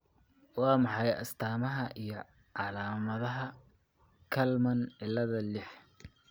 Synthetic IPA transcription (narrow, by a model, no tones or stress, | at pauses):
wɑːmɑħɑjɐ̰st̪ʰaːmɐɦɐʔijɞ | ʕɑlaːmɐðɐɦɐ | kʰɐlmɐnʕɪlːɐðɐlɪħ